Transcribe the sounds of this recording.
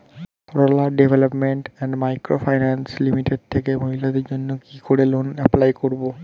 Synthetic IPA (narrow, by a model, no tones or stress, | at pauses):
ɾolaɖebʱelopmeɳʈɛɳɖmajkɾofʰajnɛnslimiʈeɖ̚t̪ʰekemoɦilad̪eɾd͡ʑonːokikoɾelonɛplajkoɾbo